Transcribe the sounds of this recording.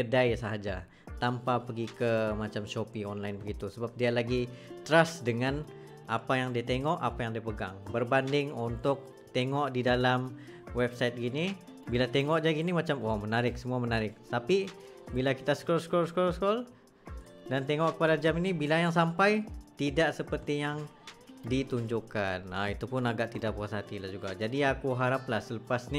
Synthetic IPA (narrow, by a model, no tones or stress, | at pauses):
ɡədajsaɦad͡ʒa̰ | t̪ampapəɡikəmat͡ʃamʃopiŋɔnlajnbəɡit̪usəbap̚dialaɡit̪ɾasdəŋan | apajaŋdiat̪eŋɔʔapajaŋdiapəɡaŋbərbandɪŋunt̪ʊk̚ | t̪eŋɔʔdidalam | wɛb̚sajt̪̚ɡini | bilat̪eŋɔʔd͡ʒaɡinimat͡ʃamɔmənaɾɪk̚səmuamənaɾɪk̚t̪api | bilakit̪asə̥kɔlsə̥kɔlsə̥kɔlsəkɔl | dant̪eŋɔʔkəpadad͡ʒaminibilajaŋs̬ampajt̪idaʔsəpərt̪ijaŋdit̪uɲd͡ʒukanait̪upʊnaɡaʔt̪idaʔbukasaɦat̪ilahd͡ʒuɡad͡ʒadiakuɦaɾaplahsələpasni